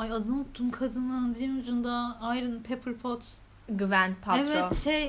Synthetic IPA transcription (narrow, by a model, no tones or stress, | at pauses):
ajad̪ɯnut̪ʰːunkʰad̪ɯnˠɯnd̪iinud͡ʒund̪aajɾɯnpʰepʰɯɾpʰot̪ | ɡyvænpʰaevɛtoʃej